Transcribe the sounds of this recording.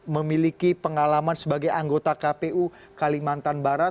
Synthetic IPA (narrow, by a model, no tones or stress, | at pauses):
məmilikipəŋalamansəbaɡajaŋɡot̪akapeʔu | kalimant̪anbaɾa